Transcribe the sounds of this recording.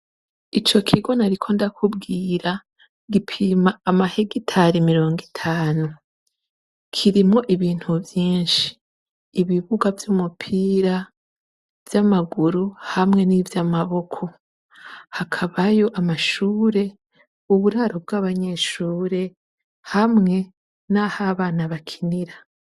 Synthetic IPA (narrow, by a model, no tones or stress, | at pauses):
it͡ʃo̞kʰiɡo̞naɾikʰo̞ndakubɡiːɾa | ɡipʰimaːmaheɡitʰaɾimiɾo̞ːŋɡitʰaːnu | kʰiɾimŋo̞ʔiβiːn̥huvjiːnʃi̥ː | βiβuɡavjumupʰiɾa | v̥jamaɡuɾuhamŋe̞nivjamaβo̞kʰo̞ | hakʰaβajo̞ʔamaʃuːɾe̞ | uβuɾaɾob̚ɡaːβaɲe̞ʃuːɾe̞ | hamŋe̞ | nahaβaːnaβakʰi̥niɾa